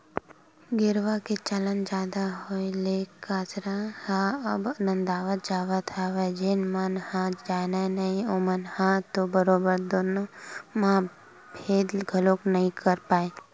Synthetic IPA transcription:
ɡɪɾʋaket͡ʃələnd͡ʒaːd̪aɦoelekːasɾãhãəbənə̃nd̪aːʋət̪̚d͡ʒaːʋət̪ʰaʋed͡ʒenmənhãd͡ʒaːnajnəɦĩomənhãt̪obəɾoːbəɾd̪oːnomã | pʰeːd̪lɡʱəloknəɦĩkəɾpaːe

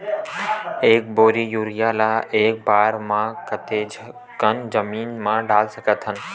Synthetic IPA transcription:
eːk̚boːɾijuːɾɪjaːlaʔeːk̚baːɾmãkət̪e | kənd͡ʒəmiːnmãɖaːlsəkət̪ɦənɪ̆

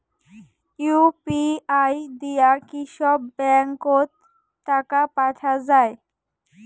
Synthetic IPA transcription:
jupiajd̪ijakiʃɔbːɛŋkot̪ː | akapaʈʰad͡ʑae

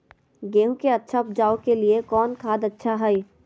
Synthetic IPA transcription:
ɡeːũkeɐtːʃʰaʊp̚d͡ʒaːokeliekɔːnkʰaːd̪ɐtːʃʰaɦɐi

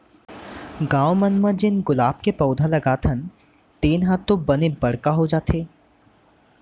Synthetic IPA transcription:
ɡãːwmənməd͡ʒɪnɡʊlaːb̚kepɐʊd̪ʱalɐɡaːt̪ʰən | t̪eːnɦãt̪ːõbɐnebɐɽkaɦod͡ʒaːt̪ʰeː

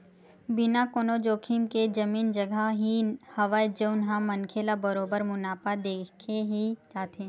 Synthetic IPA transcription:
bɪnakoːnod͡ʒoːkʰimked͡ʒɐmiːnd͡ʒɐɡəɦihɐʋad͡ʒeʊnɦãmɐnkʰeːlabɐɾoːbəɾmʊnaːpad̪eːkʰeɦit͡ʃaːt̪ẽ

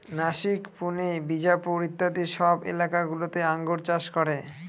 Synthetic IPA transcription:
naʃikpunebid͡ʑapuɾit̪ːad̪iʃɔbḛlakaɡulot̪eaŋɡoɾt͡ɕaʃkɔɾe

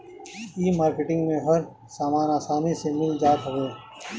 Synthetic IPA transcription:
iːmaːɾkeʈɪ̃ŋɡmẽɦɐɾ | saːmaːnaːsaːnisemɪld͡ʒaːt̪ɦʊeː

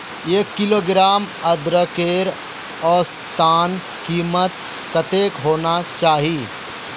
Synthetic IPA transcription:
eːkːiloːɡɾaːm | əd̪ɾəkeːɾ | ɔːɾst̪aːn | kiːmət̪̚ | kət̪ekɦoːnat͡ʃaːɦi

